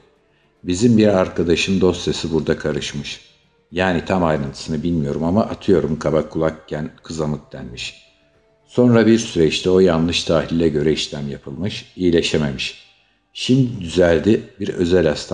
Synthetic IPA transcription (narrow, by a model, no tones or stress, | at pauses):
bizimbiɾaɾkʰad̪aʃɯmd̪o̞st̪se̞sibuɾd̪akʰaɾɯʃmɯʃ | jaːnit̪ʰamajɾant̪ʰɯ̥sɯnɯbilʲmijo̞ɾumamaʔat̪ʰɯjo̞ɾumkʰabakʰːulˠakcʰːænkʰɯzamɯk̚d̪̥ænmiʃ | so̞nɾabiɾsyɾɛt͡ʃt̪ʰɛo̞janlˠɯʃt̪ʰaːɦilʲiːɛɟø̞ɾɛiʃlʲæmjapʰɯlˠmɯʃijilʲe̞ʃe̞me̞miʃ | ʃimd̪did̪yzælʲd̪ibiɾø̞̰zælʲhast̪ʰ